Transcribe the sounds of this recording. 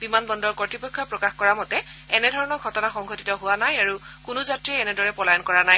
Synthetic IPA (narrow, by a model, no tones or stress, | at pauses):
bimanbɔndɔɹkɔtipɔkʰːɔpɹɔkaxkɔɹamɔtɛɛnɛdʱɔɹɔnɔɹɡʱɔtɔnaxɔŋɡʱɔtitɔɦʊwanajaɹukʊnʊzatɹiɛɛnɛdɔɹɛpɔlajɔnkɔɹanaj